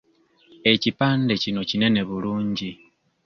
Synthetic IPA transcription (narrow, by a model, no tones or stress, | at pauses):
e̞cipaːnde̞cino̞cine̞ne̞βuluːɲɟi